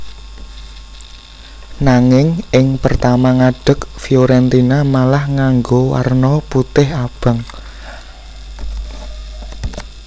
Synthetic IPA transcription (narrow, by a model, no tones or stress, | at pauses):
naŋɪŋʔɪŋpərt̪amaŋaɖ̥ə̤kfioɾɛnt̪inamalahŋaŋɡowa̰rnɔput̪ɪhab̥ə̤ŋ